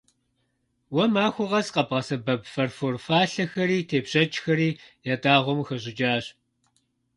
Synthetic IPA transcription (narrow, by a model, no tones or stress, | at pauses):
wɐmaːxʷʊʁɐzqɐbʁɐsɐbɐbfɐrforfaːɬɐxɐɾiːtʰeːbɕɐt͡ʃʼxɐɾiːjaːtaːʁʷɔmxɐʑɪd͡ʒaːɕ